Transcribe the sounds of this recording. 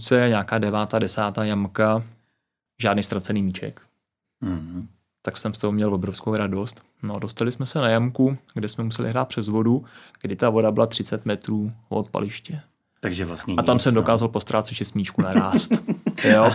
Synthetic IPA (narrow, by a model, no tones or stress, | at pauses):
t͡sɛɛɲaːkaːdɛvaːt̪aːdɛsaːt̪aːjamka | ʒaːdnijst̪ɾat͡sɛniːmiːt͡ʃɛ̰k | t̪aksɛmst̪oɦomɲɛlvobɾofskowɾado̞st̪ | nodost̪alɪsmɛsɛnajamkuɡdɛsmɛmusɛlɪ̰ɦɾaːt̪pr̥ɛzvo̞duɡ̥dɪt̪avo̞dabɪlat̪r̥ɪt͡sɛt̪mɛt̪ɾuːvo̰t̪̚pa̰lɪʃcɛ | aɡʒɛvlasɲat̪amsɛmdo̞kaːzalpo̞st̪ɾʔaːt̪t͡sɛt͡ʃɪsmiːt͡ʃkunaɾaːst̪o